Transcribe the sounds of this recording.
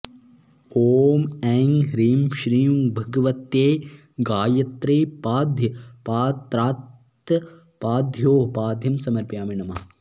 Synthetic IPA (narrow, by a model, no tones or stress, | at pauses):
hoːmɛːŋɾiːmʃɾiːmbʱɐɡɐʋɐt̪eː | ɡaːjɐt̪ɾeːpaːd̪ʱjɐpaːt̪ɾaːt̪ɐ | paːd̪ʱjoːpaːd̪ʱjɐmsɐmɐɾpjaːmiɳɐmɐ